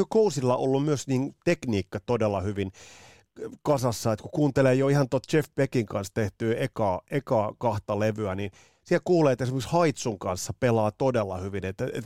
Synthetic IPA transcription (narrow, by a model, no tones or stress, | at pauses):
økousilːɑʔolːummyøsniːnt̪ekniːkːɑt̪odelːɑhyʋin | kɑsɑsːɑet̪kukuːnt̪eleːjoihɑnt̪ot̪t͡ʃefpekiŋkɑnst̪eht̪yːekɑːʔekɑːkɑht̪ɑleʋyænin | sielkuːleːt̪ːesimekshɑit̪suŋkɑnsːɑpelɑːt̪odelːɑ̰hyʋinet̪ːæḛt̪